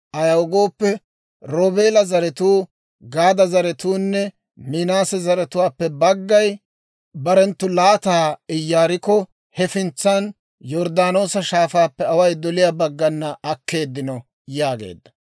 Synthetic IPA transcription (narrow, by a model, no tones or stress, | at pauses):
ʔɐjɐwɔɡo̞ːpːɛ | ɾoːbe̞ːlɐzɐɾɛt̪uː | ɡaːd̪ɐzɐɾɛt̪uːnːɛ | mɪnaːsɛzɐɾɛt̪ʊwaːpːɛbɐɡːɐj | bɐɾɛnt̪ːʊlaːt̪aːɪjːaːɾɪkɔ | hɛfɪnt͡sːɐn | jɔɾd̪aːno̞ːsɐʃaːfaːpːɛɐwɐjd̪ɔlɪjabɐɡːɐnːɐːkːe̞ːd̪ːɪnɔ | jaːɡḛːd̪ːɐ̥